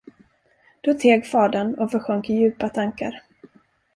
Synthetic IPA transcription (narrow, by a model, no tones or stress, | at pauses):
d̪̥ot̪ʰeːɡfɑːɖanɔfœɧœŋkɪjʉ̟ːpat̪ʰaŋka̰ɾ